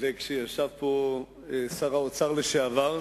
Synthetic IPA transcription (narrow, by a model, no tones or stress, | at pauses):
lekʃejaʃavpo | esaʁaot͡saʁleʃeavaʁ